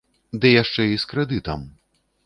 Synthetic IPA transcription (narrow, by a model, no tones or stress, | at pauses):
d̪ɨjaʂt͡ʂɛiskɾɛd̪ɨt̪ɐm